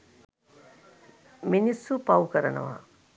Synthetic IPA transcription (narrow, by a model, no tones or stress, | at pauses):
minisːupaukəɾənə̰ʋa̰